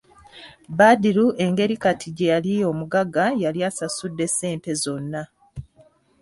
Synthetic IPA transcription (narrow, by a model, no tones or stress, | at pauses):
badiɾuʔe̞ŋɡe̞ɾikatʰiɟe̞jalijo̞ːmuɡaɡajaliasasudːe̞se̞ːnte̞zo̞nːa